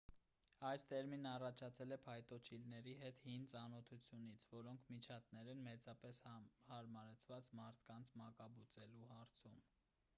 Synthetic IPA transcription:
ɑjst̪ɛɾminɑrɑt͡ʃʰɑt͡sʰɛlɛpʰɑjt̪ɔt͡ʃʰilnɛɾiɦɛt̪hint͡sɑnɔt̪ʰut͡sʰjunit͡sʰvɔɾɔŋkʰmit͡ʃʰɑt̪nɛɾɛnmɛt͡sɑpɛshɑɾmɑɾɛt͡sʰvɑt͡smɑɾt̪ʰkɑnt͡sʰmɑkɑbut͡sɛluhɑɾt͡sʰum

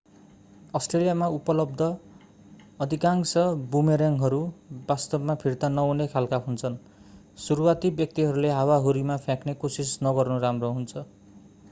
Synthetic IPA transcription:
ʌsʈrelijamaupʌlʌbd̪ʱʌ | ʌd̪ʱikaŋsʌbumeɾjaŋɦʌɾubast̪ʌbmapʰirt̪anʌunekʰalkaɦunt͡sʰʌn | suɾuwat̪ibjʌk̚t̪iɦʌɾuleɦawaɦoɾimapʰjãknekosisnʌɡʌrnuɾamroɦunt͡sʰʌ

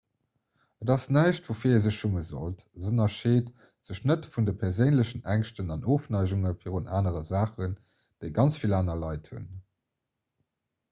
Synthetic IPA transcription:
ədɑsnæɪɕtvoːfiːɐezəɕʃuməzo̰lt | zənɐʃeːt | z̥əɕnətfundəpʰɛʁzəɪnləɕənʔæŋʃtənɑnʔoːfnɑɪʑuŋəfiːʁunʔa̰ːnəʁəzaːχən | d̥eɪɡɑnt͡sfilaːnɐlɑɪthṵn

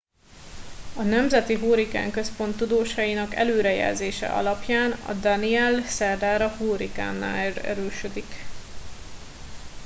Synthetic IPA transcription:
ɒnɛmzɛt̪iɦuːɾika̰ːŋkøspo̞nt̪ːud̪oːʃɒjinɒkɛ̰løːɾɛjɛ̰lzeːʃɛ̰ʔɒ̰lɒpjaːnɒ̰d̪ɒniɛlsɛrd̪aːɾɒhuːɾika̰ːnːa̰ːrɛ̰ɾøːʃød̪ik

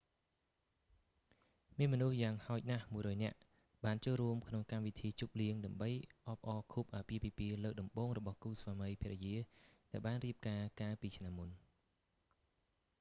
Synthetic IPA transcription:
miənmɔnuhjaːŋhaɔc̚nahmuəjɾɔːjnɛ̆əʔ | ɓaːnt͡ɕoːlruəmkʰnoŋkamʋit̪ʰiːt͡ɕup̚liəŋɗaəmɓəjʔɑːp̚ʔɑːkʰup̚ʔaːpiəpiːpiələːk̚ɗɑmɓoːŋrɔɓɑhkuːsʋaːməjpʰiəʔɛjiəɗaɛlɓaːnriəp̚kaːkaːlpiːt͡ɕʰnamːun

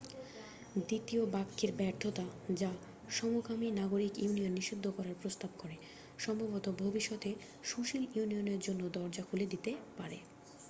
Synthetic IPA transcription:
d̪it̪iobakʰːeɾbɛɾt̪ʰot̪ad͡ʑa | ʃɔmokaminaɡoɾikjunijonːiʃid̪ʱːokɔɾaɾpɾost̪ab̚koɾe | ʃɔmbʱabot̪obʱobiʃːɔt̪e | ʃuʃiljunioneɾd͡ʑonːod̪ɔɾd͡ʑakʰuled̪it̪epaɾe

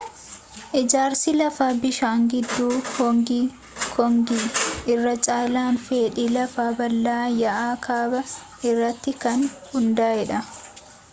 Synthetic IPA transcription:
ʔɪd͡ʒaːɾsɪlɐfaːbɪʃaːŋɡɪd̪ːuːhɔŋɡiː | kʰɔŋɡiːʔɪrːɐt͡ʃʼaːlaːnfeːᶑiːlɐfaːbɐlːaːjɐʔaːkʰaːbɐ | ɪrːɐt̪ːɪkɐnhʊnd̪aːjɛᶑɐ

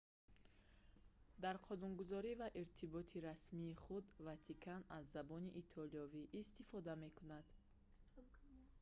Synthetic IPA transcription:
d̪aɾqʰɔnunɡuzɔɾivaʔiɾt̪ʰibɔt̪ʰiɾasmiːχud̪vat̪ʰikʰanazːabɔniʔːt̪ʰɔliɔviʔːst̪ifɔd̪ame̞kʰunad̪̥

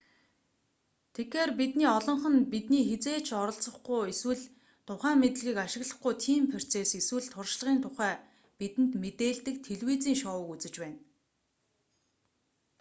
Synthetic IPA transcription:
t̪ʰekxeːrpit̪niːɔɮɞ̆ɴχə̆npit̪niːxet͡seːt͡ɕʰɔɾɞ̆ɬt͡sə̆χɡujeswɘ̆ɮ | t̪ʰʊχæːmet̪̆ɮɣʲiːkaʃɪ̆ɣɮə̆χɡujt̪ʰiːmpʰer̥ʲt͡seːseswɘ̆ɮt̪ʰʊrʃɮə̆ʁiːnt̪ʰʊχæː | pit̪ɘ̆nt̪met̪eːɮt̪ɘ̆k̚t̪ʰeɮwiːt͡siːŋʃɔːwə̆kut͡sɘ̆t͡ɕpæːn

